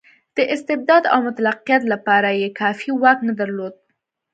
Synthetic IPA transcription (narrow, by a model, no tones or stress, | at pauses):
d̪̥əʔɪst̪ɪb̚d̪ɑd̪a̰wmʊt̪alaqːijat̪lapɑɾajekɑfiwɑknad̪aɾlod̪̚